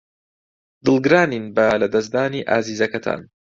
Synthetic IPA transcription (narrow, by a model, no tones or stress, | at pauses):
d̪ɨlˠɡɨɾaːniːnbɐlɐd̪ɐs̬d̪aːniːʔa̰ːziːzɐkɐt̪ʰa̰ːn